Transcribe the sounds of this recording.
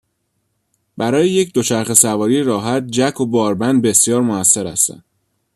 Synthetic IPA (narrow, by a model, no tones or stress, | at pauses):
bæɾɒːjejecd̪o̞t͡ʃʰæɾxe̞sævɒːɾijeɾɒːɦæt̪̚d͡ʒækʰo̞bɒːɾbænd̪̚be̞sjɒːɾmoæsːe̞ɾæ̰st̪æ̰n